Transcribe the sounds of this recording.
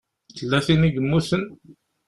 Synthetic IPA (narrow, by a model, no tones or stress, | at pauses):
t͡sːəlːæθiniɡəmːusən